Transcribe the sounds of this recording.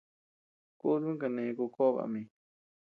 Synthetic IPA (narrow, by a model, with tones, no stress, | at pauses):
ku˦ðu˦ŋka˧˨nẽ˧ku˧ko˦βa̰˧˨mĩ˨˧